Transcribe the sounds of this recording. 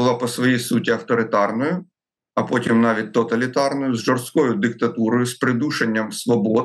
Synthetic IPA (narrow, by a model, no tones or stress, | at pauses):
ʊlˠɑpɔsʋɔjisutʲiɐwt̪ɔɾɪt̪ɑrnɔjʊ | ɐpɔtʲimnɑʋʲit̚ʲt̪ɔt̪ɐlʲit̪ɑrnɔjʊzʒɔrst̪kɔjʊd̪ɪk̚t̪ɐt̪uɾɔjʊspɾɪd̪uʃenʲːɐmsʋɔbɔd̪